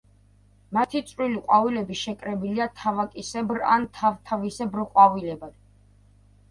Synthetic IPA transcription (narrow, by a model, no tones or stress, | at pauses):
mat̪ʰit̪sʼɾiliqʼwavilɛbiʃɛkʼɾɛbiliat̪ʰavakʼisɛbɾa̰nt̪ʰavt̪ʰavisɛbɾqʼwavilɛbad̪̥